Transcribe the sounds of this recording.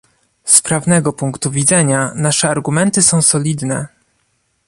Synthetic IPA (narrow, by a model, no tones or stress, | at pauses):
spɾavnɛɡɔpuŋkt̪uvʲid̪zɛɲanaʂɛaɾɡumɛnt̪ɘsɔ̃w̃sɔlʲid̪nɛ